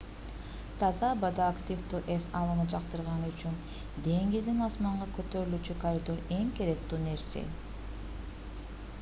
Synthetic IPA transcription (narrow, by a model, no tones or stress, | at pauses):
t̪ʰɑzɑbɑd̪aːkt̪ʲivt̪uːʔesɑlˠɯnɯd͡ʒɑqt̪ɯɾʁɑnɯyt͡ʃyn | d̪e̞ŋɡizd̪inɑsmɑɴʁɑkø̞t̪ø̞ɾylyːt͡ʃykɐɾʲɪd̪o̞ɾe̞ŋke̞ɾe̞kt̪yːne̞ɾsḛ